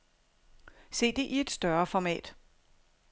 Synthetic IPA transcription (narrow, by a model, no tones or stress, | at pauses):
se̝̰ːd̥e̝ʔie̝d̥sd̥ɶɐfɒmɛ̰ːd̥